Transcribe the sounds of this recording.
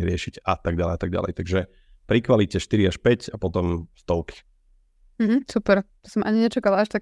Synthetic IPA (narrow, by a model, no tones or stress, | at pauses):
ɾɪɛʃicat̪aɡ̚ɟalɛ̰jat̪aɡ̚ɟa̰lɛ̰jt̪aɡʒɛ | pɾikʋalicɛʃt̪iɾiaʃpɛcapɔt̪ɔmst̪ɔʊki̥ | m̩ɦm̩supɛɾt̪ɔ̥sɔmʔaɲiɲɛt͡ʃakalaaʃt̪ak